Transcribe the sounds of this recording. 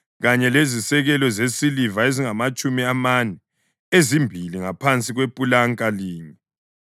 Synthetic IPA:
ɣaɲɛlezisɛɣɛlɔzesilivaeziŋamat͡ʃʼumiamanɛ | ezimbʱiliŋapʰant͡sʼiɣwepʼulaŋkʼaliːɲi

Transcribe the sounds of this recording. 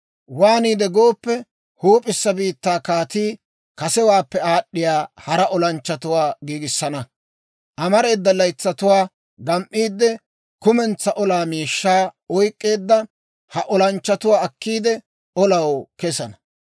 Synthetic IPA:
waːniːd̪ɛɡo̞ːpːɛ | huːpʼɪsːɐbiːt̪ːaːkaːt̪iː | kɐsɛwaːpːɛaːɗːɪjaːhɐɾɐʔɔlɐnt͡ʃːɐt̪ʊwaːɡiːɡɪsːɐnɐ | ʔɐmɐɾe̞ːd̪ːɐlːɐjt͡sːɐt̪ʊwaː | ɡɐmʔːiːd̪ːɛ | kʊmɛnt͡sːɐʔɔlaːmiːʃːaːɔjkʼːe̞ːd̪ːɐ | hɐʔɔlɐnt͡ʃːɐt̪ʊwaːɐkːiːd̪ɛ | ɔlɐwkɛsɐnɐ

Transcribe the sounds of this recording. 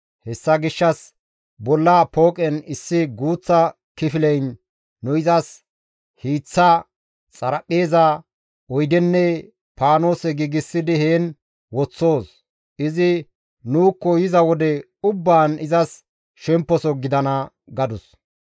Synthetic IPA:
hɛsːɐɡɪʃːɐs | bɔlːapo̞ːkʼɛnɪsːɪɡuːt͡sːɐ | kɪfɪlɛjnː | ʊɪzɐs | hiːt͡sːɐ | t͡sʼɐɾɐpʼːe̞ːzɐ | ɔjd̪ɛnːɛ | paːno̞ːsɛɡiːɡɪsːɪd̪ɪheːn | wɔt͡sːo̞ːs | ɪzɪ | nuːkːɔjɪzɐwɔd̪ɛ | ʊbːaːnɪzɐs | ʃɛmpːɔsɔɡɪd̪ɐnɐ | ɡɐd̪ʊs

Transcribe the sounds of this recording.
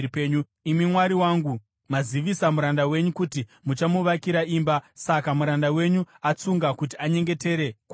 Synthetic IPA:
peɲu | imimwaɾiwaːŋɡu | maziʋisamuɾandawe̞ɲukutimut͡ʃamuʋakiɾaiːmbasakamuɾandawe̞ɲuat͡suŋɡakut̬iaɲe̞ŋɡe̞te̞ɾe̞k

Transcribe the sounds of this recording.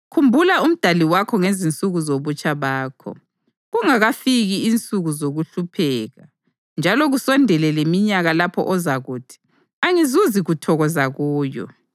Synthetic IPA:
kʰumbʱulaum̩d̥ʱaliwakʰɔŋezint͡sʼuɣuzoβut͡ʃʼaβaːkʰɔ̰ | ɣuŋaɣafiɣiint͡sʼuɣuzoɣuɬupʰɛːɣa | nd͡ʒʱalɔɣusɔndʱɛlɛlemiɲaɣalapʰɔ̰ʔɔzaɣuːtʰi̥ | aŋizuziɣutʰɔɣɔzaɣuːjɔ̰

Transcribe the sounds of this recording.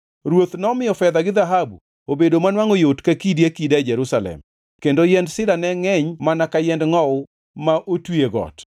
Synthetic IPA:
ɾwot̪nɔmɪjɔfɛd̪aɡɪðaɦabṵ | obedomanwaŋojotkakidiakidad͡ʒɛɾusalɛ̰m | kendojɛndsɪdanɛŋɛɲmanakajɛndŋɔw | maʔotweɡɔ̰t

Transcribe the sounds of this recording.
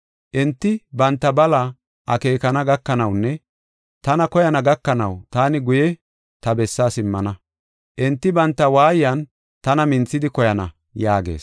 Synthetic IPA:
ʔɛnt̪ːɪbɐnt̪ːɐbɐlɐ | ʔɐke̞ːkɐnɐɡɐkːɐnɐwnːɛ | t̪ɐnɐkɔjɐnɐɡɐkːɐnɐ̰wt̪aːnɪɡʊjɛ | t̪ɐbɛsːaːsɪmːɐnɐ | ʔɛnt̪ːɪbɐnt̪ːɐwaːjɪjɐn | t̪ɐnɐmɪnt͡sːɪd̪ɪkɔjɐnɐ̰ | jaːɡḛːs

